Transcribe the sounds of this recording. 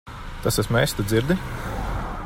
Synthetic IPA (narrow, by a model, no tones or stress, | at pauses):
t̪asasmɛjsʲt̪ad̪ziɾd̪i